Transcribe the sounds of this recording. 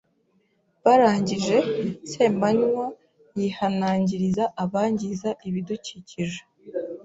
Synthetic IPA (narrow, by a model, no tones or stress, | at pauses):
βaɾaːɲɟiʒe̞se̞ːmbaɲwa | jihanaːɲɟiɾizaʔaβaːɲɟizaiβiduciːciʒe